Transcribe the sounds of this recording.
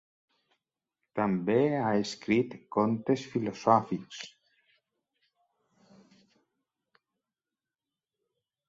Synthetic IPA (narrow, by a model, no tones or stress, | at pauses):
t̪ambeaeskɾit̪kont̪esfilosɔfiks